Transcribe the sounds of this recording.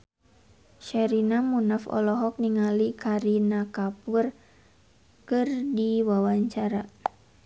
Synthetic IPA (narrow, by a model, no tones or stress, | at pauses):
ʃɛɾinamunafɔ̰lɔɦɔk̚niŋalikʰaɾinakapur | kɨrdiwawaɲt͡ʃaɾa